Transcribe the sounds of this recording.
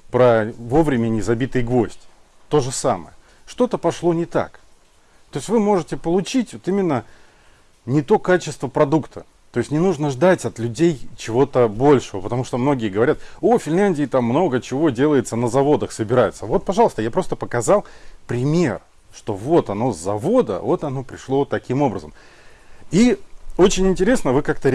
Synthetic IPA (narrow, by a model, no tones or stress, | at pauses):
pɾəvo̞vɾʲɪmʲɪnʲɪzɐbʲit̪ɨjɡvo̞sʲtʲ | t̪o̞ʐɨsa̰mə̰jə | ʂt̪o̞t̪əpɐʂlˠo̞nʲɪt̪a̰k | t̪o̞ɪsʲtʲvɨmo̞ʐɨtʲɪpəlˠʊt͡ɕitʲvot̪imʲɪnːə | nʲɪt̪o̞kat͡ɕɪ̥st̪vəpɾɐd̪ukt̪ʰə | t̪o̞ɪsʲnʲɪnuʐnəʐd̪atʲɐt̪lʲʉdʲejt͡ɕɪvo̞t̪əbo̞lʲʂəvəpət̪ɐmuʂt̪omno̞ɡʲɪjəɡəvɐɾʲat̪o̞fʲɪnʲlʲænʲdʲɪːt̪amːno̞ɡət͡ɕɪvo̞dʲe̞lˠəjɪt̪sənəzɐvo̞d̪əxsəbʲɪɾajʊt̪səvo̞t̪̚pɐʐɑlˠəst̪əjapɾo̞st̪əpəkɐzɑlˠpɾʲɪmʲer | ʂt̪o̞vo̞t̪ɐno̞zːɐvo̞d̪ə̰vo̞t̪ɐno̞pɾʲɪʂlˠo̞t̪ːɐkʲʰimo̞bɾəzəm | io̞t͡ɕɪnʲɪnʲtʲɪɾʲe̞snəvɨkak̚t̪ə